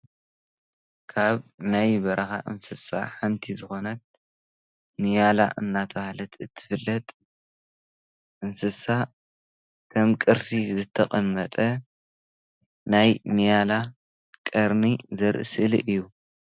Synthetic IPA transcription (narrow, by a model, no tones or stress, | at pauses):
kʰaβnajbɐɾɐxa̰ʔɨnsɨsa̰ħant̪ʰizɨxo̞nɐt̪̚ | nijala̰ʔɨnːat̪ʰɐhlɐt̪ʰɨt̪ʰːɨ̥fɨlːɐt̪ʼ | ʔɨnsɨsa | kʰɐmkʼɨɾsizɨt̪ʰːɐqʼɐmːɐt̪ʼɐ | najnijala | kʼɐɾnizɐɾʔɨsɨlḭʔɨjːu